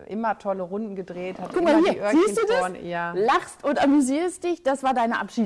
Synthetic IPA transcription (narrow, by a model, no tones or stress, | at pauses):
ʔɪ̰mɐtʰɔləʁʊndn̩ɡədʁeːthatkʰʊkmaːlhiːɐziːstd̥uːdasjaːlaχstʊntʔamyziːʁst̚d̥ɪçd̥asv̥aːɐdaɪnəʔapʃiː